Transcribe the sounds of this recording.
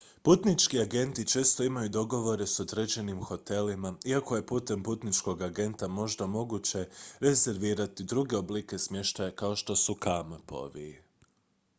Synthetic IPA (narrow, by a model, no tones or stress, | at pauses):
put̪nit͡ʃkiaɡe̞nt̪it͡ʃe̞ːst̪o̞imajud̪o̞ɡo̞ʋo̞ɾe̞so̞d̪ɾed͡ʑe̞nimxo̞t̪e̞limaiako̞je̞puːt̪e̞mput̪nit͡ʃko̞ɡaɡe̞nt̪amo̞ʒd̪amo̞ɡut͡ɕe̞ɾe̞ze̞ɾʋiːɾat̪id̪ɾuɡe̞oblike̞smʲje̞ʃt̪ajakao̞ʃt̪o̞sukampo̞̰ʋi